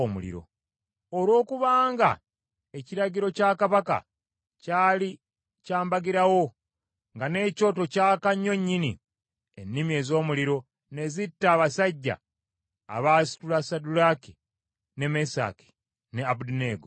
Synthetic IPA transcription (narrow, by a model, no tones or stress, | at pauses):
omṵlḭɾo̞̰ | olwo̞ːkuβaːŋɡa̰ | e̞ciɾaɟiɾo̞caːkaβaka̰ | caːli | caːmbaɡiɾawo̞ | ŋɡane̞ːco̞ːto̞caːkaɲːo̞ɲːinḭ | enːimie̞zo̞ːmuliɾo̞ | ne̞zitːaːβasaɟːa̰ː | βaːsi̥tulasadulaki̥ | ne̞mesa̰ki̥ | ne̞abudineːɡo